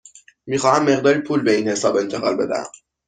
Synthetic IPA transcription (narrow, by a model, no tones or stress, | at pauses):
miːxɒːhæmːe̞ɣd̪ɒːɾipʰuːlbeiːnhe̞sɒːbe̞nt̪ʰe̞ɣɒ̰ːlbe̞d̪æ̰æ̰m